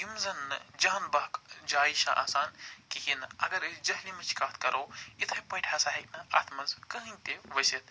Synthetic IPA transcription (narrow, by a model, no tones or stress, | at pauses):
jimzɐnːɨ̰d͡ʒaːnbɐɦkd͡ʒaːiʃa̰ʔa̰ːsaːnkiɦinɐɡɐɾɐsd͡ʒɐɦlimɐt͡ʃʰkaːt̪̚ʰkɐɾʔoːit̪ʰɐjpɐ̃ːʈʲhɐsaːɦik̚nɐa̰t̪ʰmɐzkɐɦɨ̃nʲt̪eʋɐsit̪̚